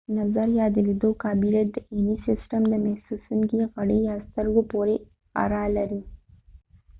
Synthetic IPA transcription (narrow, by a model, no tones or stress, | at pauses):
nazaɾjɑd̪əled̪okɑbilad̪əʔenisɪsʈamd̪əmahsusuŋkiɣaɽəjɑst̪əɾɡopoɾe | a̰ɾɑlaɾi